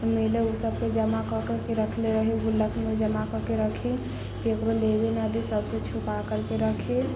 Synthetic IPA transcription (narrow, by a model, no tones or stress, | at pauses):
meleusəb̚ked͡ʒəmakəkəkeɾəkʰleɾəɦeɡulːəkʰmed͡ʒəmakəkeɾəkʰe | ekɾolebenad̪isəbset͡ʃʰupakəɾkeɾəkʰe